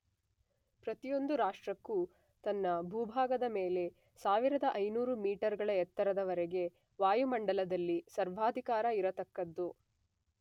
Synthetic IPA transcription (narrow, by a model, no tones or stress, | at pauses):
pɾɐt̪ijo̞nd̪uɾaːʂʈɾɐkːu | t̪ɐnːɐbʱuːbʱaːɡɐd̪ɐmeːle̞ | saːʋiɾɐd̪ɐʔɐjnuːɾumiːʈɐɾɡɐɭɐɛt̪ːɐɾɐd̪ɐʋɐɾɛɡe̞ | ʋaːjumɐɳɖɐlɐd̪ɐlːisɐɾʋaːd̪ʱikaːɾɐiɾɐt̪ɐkːɐd̪ːu